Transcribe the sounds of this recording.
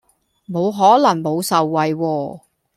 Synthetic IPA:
mo˨˧wɦɔː˨˥lɐ˨˩ŋmo˨˧wsɐ˨wːɐ˨˧jwɔː˧

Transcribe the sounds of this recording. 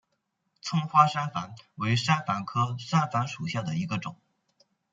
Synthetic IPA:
t͡sʰʊ˥ŋxwa˥ʂa˥nfa˧˥nwe˧˥ɪʂa˥nfa˧˥nkʰɤ˥ʂa˥nfa˧˥nʂu˨˩ɕja˥˩d̪ə˩i˧˥ɡə˧ʈ͡ʂʊ̰˨˩˦ŋ

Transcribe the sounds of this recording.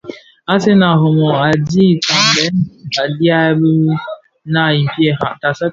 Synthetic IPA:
a˦se˦na˨ɦo˨mɔ˨a˨di˦˨t͡ʃa˨n˨bɛ˦na˨dja˦bə˦ | na˨i˨m˨pje˦a˨ta˨sa˦

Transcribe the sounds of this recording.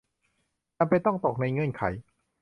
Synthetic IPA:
aː˧˩mpa˧jt̪ɔ˥˩ŋt̪o˨˩k̚na˧jŋɤ˧˥˨nkʰa̰˩˦j

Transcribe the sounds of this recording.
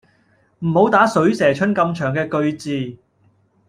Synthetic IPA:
m̩˨˩ho˨˧˥wt̪aː˨˥sɵ˨˥ɥsɛː˨˩t͡ʃʰɵ˥nkɐ˧mt͡ʃʰœː˨˩ŋkɛː˧kɵ˧ɥt͡siː˨˧

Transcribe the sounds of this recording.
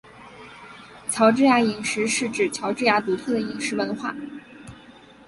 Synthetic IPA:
t͡ɕʰjɑ˧˥ʊʈ͡ʂɻ̩˥ja˧˥i˨˩ŋʂɻ̩˧˥ʂɻ̩˥˩ʈ͡ʂɻ̩˨˩t͡ɕʰjɑ˧˥ʊʈ͡ʂɻ̩˥˩ja˧˥t̪u˧˥t̪ʰwɤ˥˩d̪ə˩i˨˩ŋʂɻ̩˧˥wə˧˥nxwa˥˩

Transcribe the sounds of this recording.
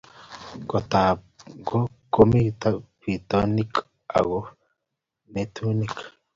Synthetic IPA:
ɡo˨t̪a˨ | ɡo˦ | ko˦mi˦t̪a˦pi˨t̪ɔ˦ni˦k | a̰˨ɣo˦ | ne˦tu˦ni˦k

